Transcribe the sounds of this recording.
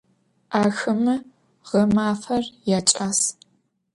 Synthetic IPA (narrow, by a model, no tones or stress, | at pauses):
aːxɨmɨ | ʁɐmaːfɐrjat͡ʃʼaːs